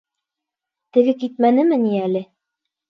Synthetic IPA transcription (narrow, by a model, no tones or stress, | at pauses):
t̪ɘ̆ɡɘkit̪̚mænɘmɘniælɘ